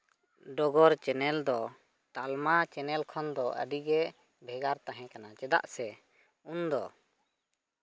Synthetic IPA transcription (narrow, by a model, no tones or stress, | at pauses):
ɖɔɡɔɾt͡ʃɛnɛld̪ɔ | t̪almat͡ʃɛnɛlkʰɔnd̪ɔʔə̰ɖiɡɛ | bʱɛɡaɾt̪aɦɛ̃kanat͡ʃɛd̪a̰ʔsɛ | und̪ɔ